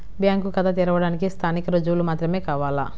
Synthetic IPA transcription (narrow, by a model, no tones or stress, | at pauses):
bjaːŋkukɐd̪ʰɐt̪̬iɾɐʋɐɽaːnikist̪ʰaːnikɐɾod͡ʒuʋlumaːt̪ɾɐme̞ːkaːʋaːla̰